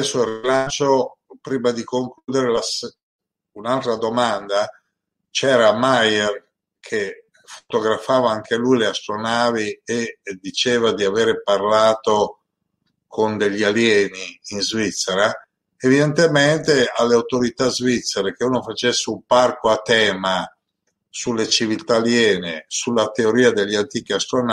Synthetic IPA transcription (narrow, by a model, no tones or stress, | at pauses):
ɛsːoirilant͡ʃopɾiːmad̪ikoŋkluːd̪eɾelas | unalt̪ɾad̪omand̪a | t͡ʃɛːɾamajer | kʰe | fo̥t̪oɡɾafaːvaaŋkʰelujleast̪ɾonaːvied̪it͡ʃeːvad̪iaveːɾeparlaːt̪o | kʰond̪eʎːialjɛːniːnzvit̪sːeɾa | evid̪ent̪ement̪ealːeawt̪oɾit̪azvit̪sːeɾek̟euːnofat͡ʃesːeumparkoat̪ɛːma | sulːet͡ʃivilt̪aːljɛːnesulːat̪eoɾiːad̪eʎːant̪iːk̟iast̪ɾon